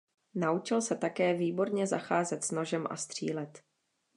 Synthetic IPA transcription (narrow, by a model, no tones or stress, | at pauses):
naut͡ʃɪlsɛt̪akɛːviːbo̞ɾɲɛzaxaːzɛt̪sno̞ʒɛmʔa̰st̪r̝̥ḭːlɛt̪